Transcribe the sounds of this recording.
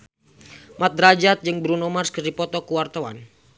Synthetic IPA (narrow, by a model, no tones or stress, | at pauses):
mat̪̚ɾad͡ʒat̪̚d͡ʒɨŋbɾunɔmarskərdipɔt̪ɔkuwart̪awa̰n